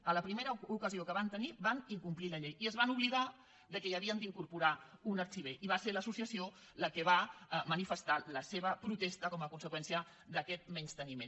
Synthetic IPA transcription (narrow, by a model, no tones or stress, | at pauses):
ələpɾimeɾəukəziokəβant̪əniβaniŋkumpliləʎejiəzβanuβliða | ðəkɛjəβiənd̪iŋkuɾpuɾaunəɾt͡ʃiβ̞eʔiβaseɾləsusiəsio | ləkəβamənifəst̪aləseβəpɾut̪est̪əkɔməkunsəkwɛnsiə | ðəkɛt̪̚mɛɲst̪ənimen